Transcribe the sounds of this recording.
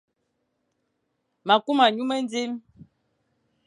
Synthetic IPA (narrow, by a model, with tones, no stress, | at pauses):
ma˨ku˦ma˨ɲu˦mə˦n˦d͡zi˦m